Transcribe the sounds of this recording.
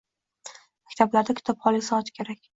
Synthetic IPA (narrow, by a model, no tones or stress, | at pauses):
makʲt̪ʰablaɾd̪akʰʲt̪ʰɒpχɒlˠisɒɒt̪kʲʰe̞ɾakʲ